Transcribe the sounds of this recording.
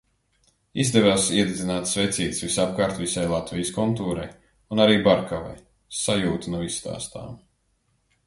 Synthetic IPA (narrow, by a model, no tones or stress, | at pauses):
izd̪ɛvasiɛd̪ed̪zinaːt̪svɛt̪siːt̪svisap̚kaːɾt̪visajlˠat̪vʲijskɔnt̪uːɾaj | unaɾiːbaɾkʰava̰j | sajuːt̪inɔist̪a̰ːst̪a̰ːm